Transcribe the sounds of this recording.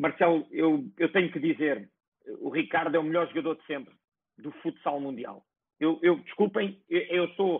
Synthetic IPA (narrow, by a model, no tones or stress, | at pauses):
mɐɾsɛlˠewewt̪ɐɲukɨðizeɾ | uʁikaɾðuwɛumʎɔɾʒuɣɐðoɾd̪sẽmpɾ | d̪ufut̪salˠmũnd̪ia̰lˠ | ewʔewd̪ɨʃkulˠpɐ̃j̃eʔewso